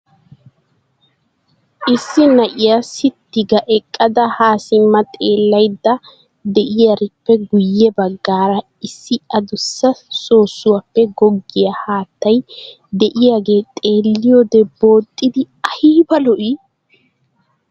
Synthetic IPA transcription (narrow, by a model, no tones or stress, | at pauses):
ʔɪsːɪnɐʔɪjasɪt̪ːɪɡɐʔɛkʼːɐd̪ɐhaːsɪmːɐt̪ʼe̞ːlːɐjd̪ːɐ | d̪ɛʔɪjɐɾɪpːɛɡʊjːɛbɐɡːaːɾɐ | ɪsːɪɐd̪ʊsːɐso̞ːsːʊwɐpːɛɡɔɡːɪjɐhaːt̪ːɐj | d̪ɛʔɪjaɡe̞ːt̪ʼe̞ːlːɪjoːd̪ɛbo̞ːt̪ʼːɪd̪ɪ | ɐhiːbɐlɔʔi